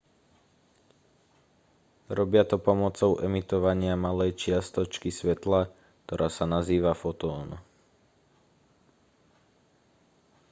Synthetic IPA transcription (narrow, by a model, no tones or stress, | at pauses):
ɾɔbɪat̪ɔpɔmɔt͡sɔʊʔɛmit̪ɔʋaɲɪamalɛjt͡ʃɪast̪ɔt͡ʃkisʋɛt̪la | k̚t̪ɔɾʔaːsanaziːʋafɔt̪ɔːn